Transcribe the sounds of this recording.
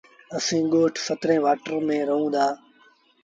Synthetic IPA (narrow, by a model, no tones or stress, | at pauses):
əsĩːɠoːʈʰfət̪ɾẽːʋaːʈəɾmẽːɾəɦũːd̪aː